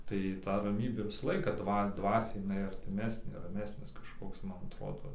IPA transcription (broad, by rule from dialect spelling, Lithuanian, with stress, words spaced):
tɐɪ ˈtɐ rɐˈmʲiːbʲeː ʋʲɪsɐ ˈlˠɐɪkɑː ˈdʋɐ ˈdʋɑːsʲɛɪ jɪˈnɐɪ ɐrʲtʲɪˈmʲæːsʲnʲeː rɐˈmʲæːsʲnʲɪs kɐʃˈkoːks ˈmmɐn ɐtˈroːdoː